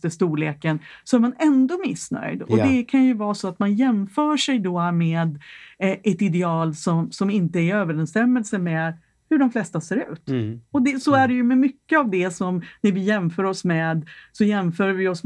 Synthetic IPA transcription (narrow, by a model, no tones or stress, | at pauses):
t̪əst̪uːleːkənsɔæɾmanɛnd̪ɔmɪsnœ̰jd̪ɔd̪ɛkʰanjɵvɑːsɔat̪manjɛmfœːʂɛjd̪ɔmɛːd̪ʔɛt̪ɪd̪ɛɑːlsɔmsɔmɪnt̪əæɾɪøːvəɾɛnst̪ɛmːəlsəmɛːd̪ | hɵɖɔmflɛst̪aseːɾʉ̟̰ːt̪ɔd̪ɛsɔæɖɛjɵmɛmʏkːəavd̪ɛsɔmnæɾvɪjɛmfœːɾɔsmɛːd̪sɔjɛmfœːɾvɪɔs